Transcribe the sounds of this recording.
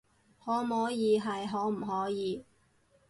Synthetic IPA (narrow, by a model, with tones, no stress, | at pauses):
hɔː˨˥mɔː˨˧˥jiː˨˧ɦɐ˨jɦɔː˨˧˥m̩˨˩ɦɔː˨˥jiː˨˧